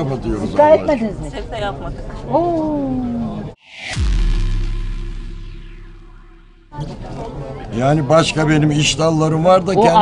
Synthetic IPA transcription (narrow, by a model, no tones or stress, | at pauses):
apat̪ʰɯjo̞ɾuzaːɛt̪med̪inizmi | o | jaːnibaʃkabe̞nimiʃt̪alˠːaɾɯmvaɾd̪acʰɛn